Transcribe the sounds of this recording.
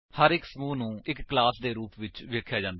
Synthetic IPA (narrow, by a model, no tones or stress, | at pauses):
həɾɪksəmuːnũːɪkːlaːsd̪eːɾuːpʋɪt͡ʃʋeːkʰjaːd͡ʒãːnd̪a